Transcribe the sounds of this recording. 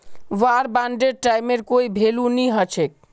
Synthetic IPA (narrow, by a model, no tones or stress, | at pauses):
ʋaɾbanɖeɖ̚ʈajmeɾkoibʱeluniɦət͡ʃʰek̚